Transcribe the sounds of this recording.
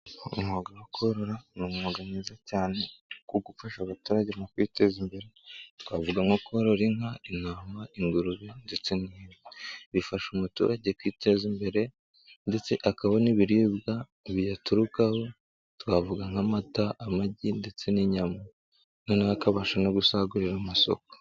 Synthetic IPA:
ṵmhoɡawakʰoɾoɾanumoɡamŋiːzacaːne̞kuɡufaʃaβatuːɾaɟemokwite̞zimbe̞ɾe̞twaːvuɡaŋokoɾoɾiŋainaːmaiŋɡuɾuβende̞t͡se̞niɾiβifaʃumutṵɾaɟe̞kwiːte̞zimbe̞ɾe̞ | nde̞t͡se̞ʔakaβoniβiɾibɡa | βijatuɾukaho̞ | twaːvuɡaŋhamataʔamaɟinde̞t͡se̞niɲama | nonaakaβaʃano̞ɡusaɡuɾiɾamaso̞̰ko̥

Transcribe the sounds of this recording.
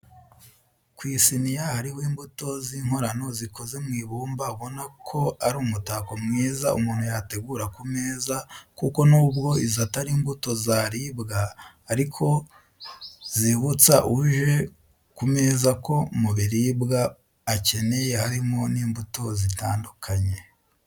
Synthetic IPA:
kwiːsinijahaɾihwoiːmbuto̞ziŋho̞ɾano̞ziko̞ze̞mŋiːβuːmbaβo̞nakʰo̞aɾuːmutaːko̞mŋiːzaʔṵmuːn̥hujate̞ɡuːɾakume̞ːzakuko̞nuːbɡo̞izataɾiːmbuto̞zaɾibɡaː | ɾikʰo̞ | ziβut͡saʔuʒe̞ | kume̞ːzako̞muβiɾibɡaː | ce̞ne̞jehaɾimo̞niːmbuto̞zitaːndukʰaɲe̞

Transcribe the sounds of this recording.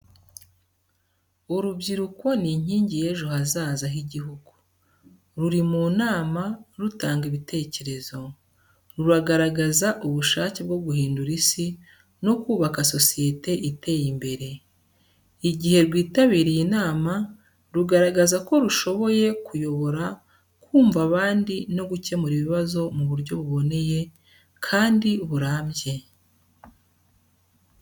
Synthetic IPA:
oɾubɟiɾuko̞niɲ̥iːɲɟije̞ʒuhazaːzaɦiɟiɦuɡu | ɾuɾimuːnaːmaɾutaːŋɡiβite̞ːce̞ɾe̞zo̞ | ɾuɾaɡaɾaɡazaʔuβuʃaːceb̚ɡo̞ɡuhiːnduɾisi | no̞kuːβakaso̞sije̞te̞ʔite̞jimbe̞ɾe̞ | iɟihe̞ɾɡwiːtaβiːɾijinaːma | ɾuɡaɾaɡazako̞ɾuʃo̞βo̞je̞kujo̞βo̞ɾa | kuːɱvaβaːndino̞ɡuce̞muɾiβiβazo̞muβuɾɟo̞βuβo̞ne̞je̞ | kʰaːndiβuɾaːmɟe̞

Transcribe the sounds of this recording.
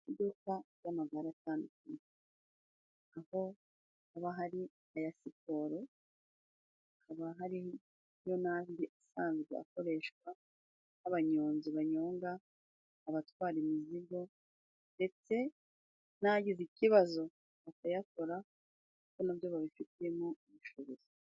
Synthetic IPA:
idukajamaɡaɾataːndukuɲe | aho̞ | aβaɦaɾi | ajasipo̞ɾo | kaβaɦaɾi | jo̞naːndiʔasaːnzɡea̰ko̞ɾe̞ːʃkwa | naβaɲoːnziβaɲoːŋɡaː | βatwaːɾimiziɡo̞ | nde̞t͡se̞ | naɟiziciβazo̞ | βakajako̞ɾa | kukonaβjoβaβifitije̞moimuʃoβozi

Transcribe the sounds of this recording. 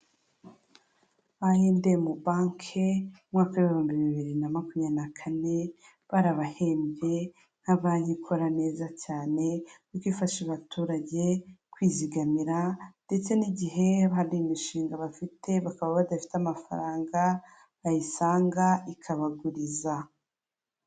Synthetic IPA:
βaheːndemubaːŋkʰeumŋaːkaeβihuːmbiiβiɾinamakumɲanakʰane̞ | βaɾaβahe̞ːmbe̞ | n̥haβaɲikʰo̞ɾane̞ːzacaːne̞jokwifaʃiβatʰuːɾaɟe̞kwiːziɡamiɾande̞t͡se̞niɟiɦe̞βaɾimiʃiːŋɡaβafitʰe̞βakaβaβadafi̥tamafa̰ɾaːŋɡa | βajisaːŋɡaikʰaβaɡuɾiza

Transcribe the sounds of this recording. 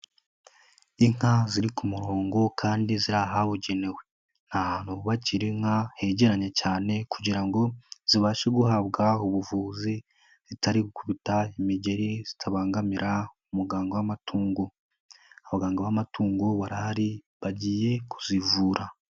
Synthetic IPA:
iŋ̥haziɾikʰumuɾoːŋɡo̞kʰaːndiziɾaɦaβuɟe̞ne̞we̞ | n̥ahaːn̥huβaciɾiŋ̥hahe̞ɟe̞ɾaɲe̞caːne̞kuɟiɾaŋɡo̞z̥iβaːʃeɡuhaβɡauβuvuːzi | z̥itaɾiɡukuβitaimiɟe̞ɾiz̥itʰaβaːŋɡamiɾaumuɡaːŋɡowamatʰuːŋɡo | aβaɡaːŋɡawamatʰuːŋɡoβaɾahaɾi | βaɟiːje̞kʰu̥zivuːɾa

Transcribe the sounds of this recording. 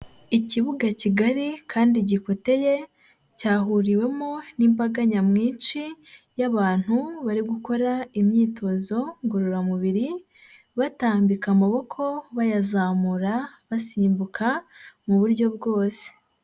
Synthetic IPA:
iciβuɡaciɡaɾikʰaːndiɟiko̞te̞je̞ | caːɦuɾiwe̞monimbaɡaɲamŋiːnt͡ʃijaβaːn̥huβaɾiɡuko̞ɾaimɲiːtʰo̞zo̞ŋɡoɾoɾamuβiɾi | βataːmbikamaβo̞kʰo̞βajazaːmuɾaβasiːmbukʰamuβuɾjo̞bɡo̞ːse̥

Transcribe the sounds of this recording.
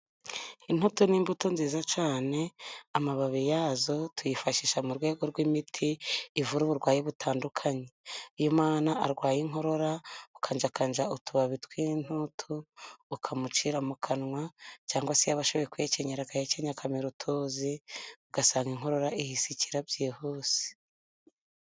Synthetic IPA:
in̥hutuniːmbutonziːzat͡ʃaːne̞amaβaβijaːzo̞tujifaʃiʃamuɾɡwe̞ːɡo̞ɾɡwimitʰiːvuɾuβuɾɡwaːjeβutʰaːndukʰaɲeujumaːnaʔaɾɡwaːjiŋɦo̞ɾo̞ɾaukʰand͡ʒakand͡ʒautʰuβaβitwiːn̥utʰuːkʰamut͡ʃiɾamukʰanŋwacaːŋɡwasejaβaʃo̞βo̞jekujeceɲeɾakaheceɲakʰameɾutʰuːziuɡasaːŋɡiŋ̥ɦo̞ɾo̞ɾaʔihisiciɾabjeːhoːsi̥

